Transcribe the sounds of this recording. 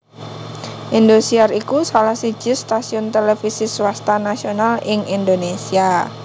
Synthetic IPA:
ʔind̪osiarikusalahsi̥d͡ʒ̥ɪst̪asiɔnt̪elefisiswast̪anasionalɪŋind̪onesia

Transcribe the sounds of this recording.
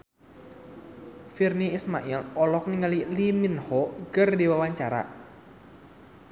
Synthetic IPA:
firniismaʔilɔlɔk̚niŋəliliminhɔɡərdiwawaɲt͡ʃaɾa̰

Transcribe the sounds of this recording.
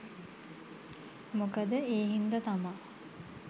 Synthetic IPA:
mukəd̪əeːɦind̪ɐt̪ama

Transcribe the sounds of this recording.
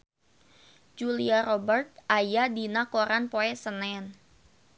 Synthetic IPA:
d͡ʒuliaɾɔbərt̪̚ʔajadinakoɾanpoɛsənɛn

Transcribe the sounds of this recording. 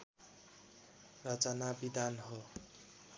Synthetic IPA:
rʌt͡sʌnabid̪anɦo

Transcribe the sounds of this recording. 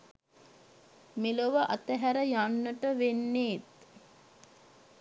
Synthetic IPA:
miloʋəʔat̪əɦæɾəjanːəʈəʋenːeːt̪

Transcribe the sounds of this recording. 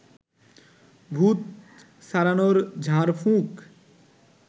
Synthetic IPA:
bʱut̪ | saɾanoɾd͡ʑʱãɾfʰũk

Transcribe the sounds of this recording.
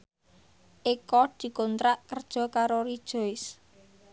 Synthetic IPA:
ʔikɔd̪̥i̤kɔnt̪ɾaʔkərd̥ʒ̥ɔ̤kaɾoɾid̥ʒ̥o̤ɪs

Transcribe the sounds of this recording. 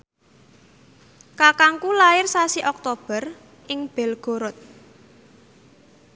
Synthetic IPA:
kakaŋkulaɪrsasiʔɔk̚t̪ob̥ə̤r | ʔɪŋb̥ɛ̤lɡ̥o̤ɾʊt̪̚

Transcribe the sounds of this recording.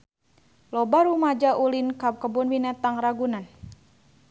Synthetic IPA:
lɔbaɾumad͡ʒaʔulinkap̚kəbunwinɛt̪aŋraɡunan

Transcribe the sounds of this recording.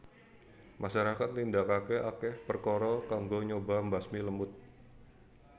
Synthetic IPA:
maʃaɾakat̪̚nindakakɛakɛhpərkɔɾɔkaŋɡoɲobambasmiləmʊt̪̚

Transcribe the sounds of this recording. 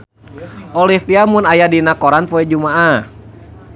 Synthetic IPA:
ʔɔlifiamʊnajadinakɔɾanpɔɛd͡ʒumaʔa

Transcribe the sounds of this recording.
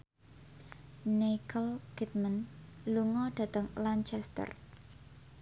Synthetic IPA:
nekʰəlkit̪̚mənluŋɔɖ̥ä̤t̪əŋlant͡ʃɛst̪ə̰r

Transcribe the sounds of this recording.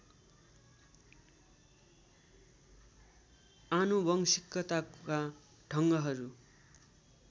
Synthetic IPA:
anubʌŋsikːʌt̪aka | ʈʰʌŋɡʌɦʌɾu

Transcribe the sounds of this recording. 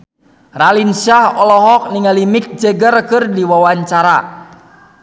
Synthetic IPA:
ralinsahɔlɔɦɔk̚niŋalimik̚d͡ʒəɡərkɨrdiwawaɲt͡ʃaɾa

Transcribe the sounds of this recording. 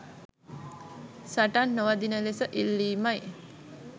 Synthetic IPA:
saʈanːoʋad̪inəlesəʔilːiːmaj

